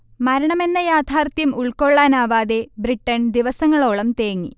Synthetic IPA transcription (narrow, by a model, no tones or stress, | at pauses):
mɐɾɐɳɐme̞nːɐjaːd̪ʱaːrt̪jɐmuɭko̞ɭːaːnaːʋaːðe̞briʈːɐnd̪iʋɐsɐŋːɐɭo̞ːɭɐmt̪eːŋːḭ